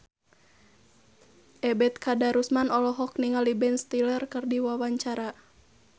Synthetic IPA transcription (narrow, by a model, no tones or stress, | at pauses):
ʔɛbɛt̪̚kadaɾusmanɔlɔɦɔk̚niŋalibɛnst̪ilərkərdiwawaɲt͡ʃaɾa